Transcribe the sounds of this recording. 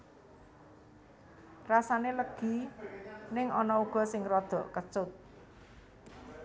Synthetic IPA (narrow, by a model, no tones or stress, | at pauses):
rasaneləɡ̥i̤ | nɪŋɔnɔuɡ̥ɔ̤sɪŋrɔd̪̥ɔ̤ʔkət͡ʃʊt̪̚